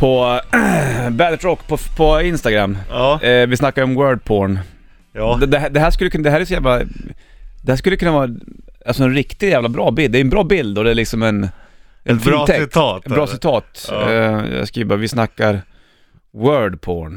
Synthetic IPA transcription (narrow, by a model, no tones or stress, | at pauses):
pʰɔ | bælt̪ɾɔkːpʰɔpʰɔɪnst̪aɡɾamːvɪsnakːaɾɔmwœːɖ̚pʰoɳ | d̪d̪ɛɦæd̪ɛɦæːʂkɵlːəkʰɵnd̪ɛhæɾjsɔjæːvla | d̪ɛhæːʂkɵlːəkɵnːavɑːɾalsɔɛnɾɪkt̪ɪd̪jæːvlabɾɑːbɪld̪ɛːjʉɛnbɾɑːbɪld̪ɔd̪ɛæɭɪksɔmɛn | ʔɛnfit̪ʰɛbɾɑːsɪt̪ʰɑːt̪ | skɾiːvavɪsnakːaɾ | wœːɖpʰoːɳ